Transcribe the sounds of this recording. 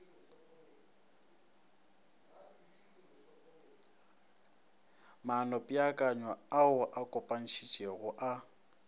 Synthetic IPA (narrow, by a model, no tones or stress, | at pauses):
manɔpʼɪakʼaɲwaaʊʔakʼɔpʼan̩ʃit͡ʃʼeɣʊʔa